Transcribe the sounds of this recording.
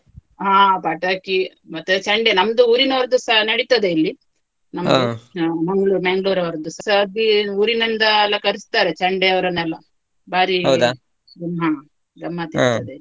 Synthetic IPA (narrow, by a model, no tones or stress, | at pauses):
ɦãːpaːʈaːki | mɐt̪ːut͡ʃɐɳɖenɐmd̪uuːɾinɐʋɾɐd̪usɐɦɐnɐɽit̪ɐd̪eilːi | nɐmmɐŋɡɭuːɾmeŋɡɭuːɾɐʋɐɾɐd̪usɐsɐd̪iuːɾinɐnd̪ɐːlːɐkɐɾist̪aːɾet͡ʃɐɳɖeɐʋɐɾɐnːɛlːɐ | baːɾiɦɐwd̪ | ɡɐmɦãː | ɡɾɐmːɐd̪it̪ɐd̪e